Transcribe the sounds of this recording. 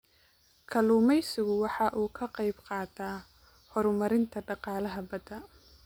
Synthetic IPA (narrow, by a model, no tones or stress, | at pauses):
kʰɐluːmɛjsɪɣʊwɑħɑʔuːkʰɐqɑjbqɑːt̪ʰaː | hɔɾmɐɾɪnt̪ʰɐɖɑqɑːlɐɦɐbɐd̪ɐ